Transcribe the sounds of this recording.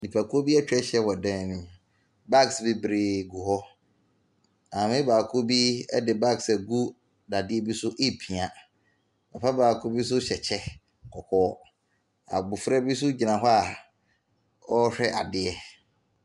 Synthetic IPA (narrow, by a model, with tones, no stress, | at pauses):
nĩ˨pʰa˨kʰo˦bi˦ɛ˦t͡ɕᶣɛ˦ɕɛ˦wɔ˨dɛ̃˦n˨nũ˦ | ba˦ksbɪ˦bɾɪ˨ɡu˨hɔ˦ | ã˨mɪ̃˦baː˨kʰo˦bi˦ɛ˦dɪ˨ba˦ksɛ˨ɡu˦ | da˨dɪ˦ɛ˦bi˦sʊ˦ʔe˦pʰĩ˨a˨ | bɛ˨pʰa˦baː˨kʰo˦bi˦s̬ʊ˦ɕɛ˨t͡ɕʰɛ˦ | kʰɔ˨kʰɔː˦ | a̰˨bʊ˨fɾɛ˦bi˦s̬ʊ˦d͡ʑi˨nã˨ɦɔ˦a˨ | ɔ˦ɕᶣɛ˦ʔa̰˨dɪ˦ɛ˦